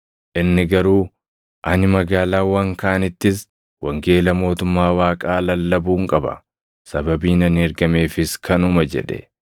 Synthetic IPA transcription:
ʔɪnːɪɡɐɾuː | ʔɐnɪmɐɡaːlaːwɐŋkaʔɐnɪt̪ːɪs | wɐŋɡe̞ːlɐmo̞ːt̪ʊmːaːwaːkʼaːlɐlːɐbuːŋkʼɐbɐ̰ | sɐbɐbiːnɐnɪɛɾɡɐme̞ːfɪskʰɐnʊmɐd͡ʒɛ̰ᶑɛ̰

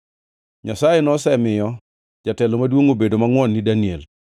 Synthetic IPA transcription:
ɲasajenɔsɛmɪjɔ | d͡ʒatɛlomadwoŋobedomaŋwɔnːidaniel

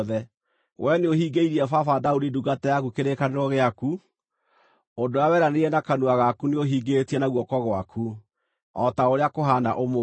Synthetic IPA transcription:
ðɛ | wʔɛneohiɡeiɾiɛfafadaudiduɡatɛjakukeɾekaneɾɔɣeaku | ondoawɛɾaneɛnakanuaɣakuneoɦiɡetiɛnaɣwɔkɔɣwakʰu | ɔtaoɾeakoɦana̰ʔomo

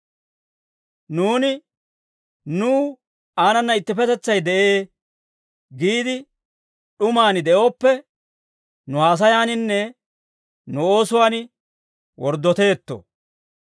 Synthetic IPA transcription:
nuːnɪ | nuː | aːnɐnːɐɪt̪ːɪpɛt̪ɛt͡sːɐjd̪ɛʔeː | ɡiːd̪ɪ | ɗʊmaːnɪd̪ɛʔo̞ːpːɛ | nʊhaːs̬ɐjaːnɪnːɛ | nʊo̞ːsʊwaːnɪ | wɔɾd̪ːɔt̪e̞ːt̪ːo̰

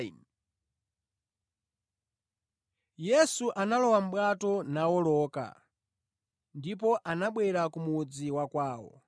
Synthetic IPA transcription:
n | jɛsuʔanalɔwam̩ɓwatɔnawɔlɔːka̰ | ndip̬ɔʔanaɓwɛɾakumud͡ziwakwaːwɔ̰

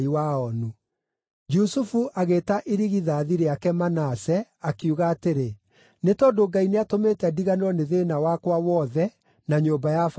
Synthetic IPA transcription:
iwaɔnu | d͡ʒusufuʔaɣeːtaʔiɾiɣiðaːðiɾeakɛmanasɛakjuɣaːteɾe | netɔdoɡaineatomeːtɛdiɣaneɾɔneðeːnawakwawɔðɛ | naɲobajaf

